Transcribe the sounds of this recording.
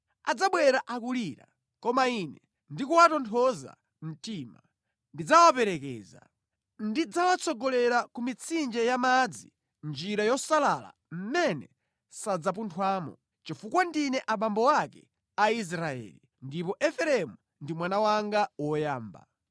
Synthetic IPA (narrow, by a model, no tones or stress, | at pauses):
ad͡zaɓwɛɾaʔakuliɾa̰ | kɔmainɛ | ndikuwatɔntʰɔza̰ | m̩tima | ndid͡zawapɛɾɛkɛ̰ːza̰ | ndid͡zawat͡sʰɔɡɔlɛɾakumit͡sʰind͡ʒɛjamad͡zḭ | nd͡ʒiɾajɔsalala̰m̩mɛnɛ | sad͡zap̬untʰwaːmɔ̰ | t͡ʃifukwandinɛʔaɓambɔwakɛ̰ | ais̬ɾaɛ̰ːli | ndipɔʔɛfɛɾɛmu | ndimwanawaŋɡawɔjaːmba̰